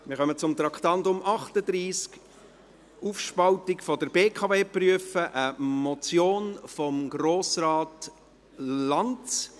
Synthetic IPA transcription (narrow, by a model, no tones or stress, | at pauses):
mɪɾχœmət͡sʊmt̪ɾɑkt̪ɑntʊmʔɑχtəd̥̪ɾiːsk | ufʃpɑltɪkfɔdəɾbeːkʰɑːbeːpryəfəʔəmɔt͡sjoːnfɔmɡɾoːsrɑːt | lɑnt͡s